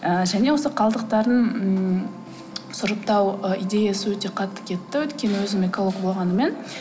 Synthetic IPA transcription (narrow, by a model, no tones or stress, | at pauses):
əʒæne̞wo̞səqʰɑlˠd̪əq̚t̪ɑɾd̪əɴ̩ | sʊɾəp̚t̪ɑwəid̪e̞jasəwɵt̪e̞qʰɑt̪ːə̥kʲʰe̞t̪ːɪwɵt̪kʲe̞nɪwɵzɪmekʰolˠokbo̞lˠʁɑnəme̞n